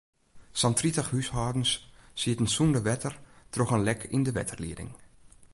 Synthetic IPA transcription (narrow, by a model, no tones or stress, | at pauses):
sɑntritəxhyshaːdn̩ssiətən̩sundəʋɛtərtroxənlɛkʰɪ̰ndəʋɛ̰tʰərlḭədɪ̰ŋ